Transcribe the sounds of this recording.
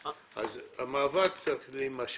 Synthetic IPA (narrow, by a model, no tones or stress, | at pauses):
ʔa̰zamaːvakt͡sat̪limaʃ